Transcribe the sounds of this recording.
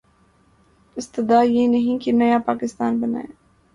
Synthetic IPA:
ɪst̪ɪd̪aːjeːnɐɦĩkenɐjapaːkɪst̪aːnbɐna̰ːje

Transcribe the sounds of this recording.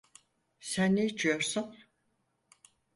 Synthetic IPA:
sænːeit͡ʃʰijo̞ɾsun

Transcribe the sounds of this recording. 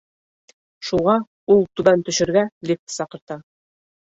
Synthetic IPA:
ʃuʁɑ | ulˠt̪ʉbænt̪ɵ̆ʃɵ̆ɾɡælʲif̚t̪sɑqɤ̆ɾt̪ɑ

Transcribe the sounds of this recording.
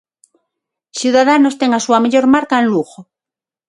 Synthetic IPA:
sjuðað̞anost̪eŋasuameʎo̞ɾmaɾkaenluxo

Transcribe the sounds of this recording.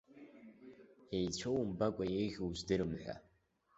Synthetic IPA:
ejt͡ɕʷʰowmbakʷʼajejɣʲowʒdɨɾɨmħʷᶣa̰

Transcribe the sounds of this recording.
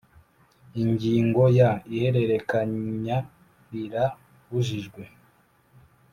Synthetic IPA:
iɲɟiːŋɡo̞jaihe̞ɾe̞ɾe̞kaɲa | ɾiɾa | βuʒiʒɡwe̞

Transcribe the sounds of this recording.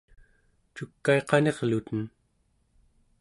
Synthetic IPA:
t͡ʃukːae̞qɑne̞ʁlut̪ən

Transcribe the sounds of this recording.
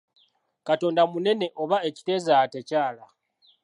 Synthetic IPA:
kato̞ːndamune̞ne̞ʔo̞βae̞ci̥te̞zate̞caːla

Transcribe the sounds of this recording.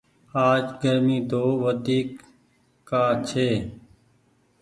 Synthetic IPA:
aːd͡ʒɡəɾmiːd̪oːʋəd̪iːkː | aːt͡ʃʰeː

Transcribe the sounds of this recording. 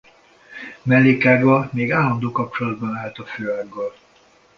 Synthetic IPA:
mɛlːeːkaːɡɒmeːɡaːlːɒnd̪oːkɒp̚t͡ʃolɒd̪̚bɒnaːlt̪ɒføːaɡːɒl

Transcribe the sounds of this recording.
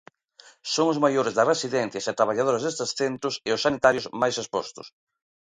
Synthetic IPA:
soŋʊzmajoɾezðɐsresiðɛn̟θjɐset̪ɾaβ̞aʎað̞oɾazðest̪esθent̪ɾʊseʊsːanit̪aɾjʊzmajsespɔ̰st̪ʊ̰s

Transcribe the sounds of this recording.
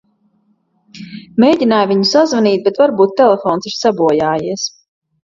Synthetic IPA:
mejɟʲinaːjviɲusazvaniːt̪̚bet̪vaɾbuːt̪ːɛlefɔːnsiɾ̥sabuɔjaːjiɛs

